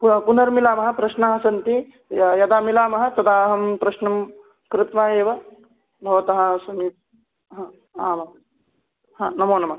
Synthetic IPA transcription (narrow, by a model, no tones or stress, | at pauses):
ppunɐɾmilaːmɐɦɐ̆pɾɐʃnaːɦɐsɐnt̪i | jɐd̪aːmilaːmɐɦɐ̆t̪ɐd̪aːɦɐmpɾɐʃnɐm | kɾɪt̪ʋaːjeːʋɐ | bʱɐʋɐt̪ɐɦɐsɐni | a | aːmɐ | haːnɐmoːnɐmɐ